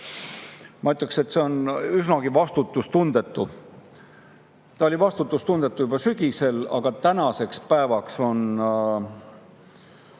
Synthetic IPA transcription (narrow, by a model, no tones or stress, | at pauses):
mɑyt̪ːˑɑkset̪ːse̞o̞nysnɑɡ̥ivɑst̪ut̪ːˑust̪und̪̥e̞t̪ːˑu | t̪ɑo̞lʲivɑst̪ut̪ːˑust̪und̪̥e̞t̪ːˑujub̥ɑsyɡ̥ise̞lɑ̰ɡ̥ɑt̪ænɑse̞kspæevɑkso̞n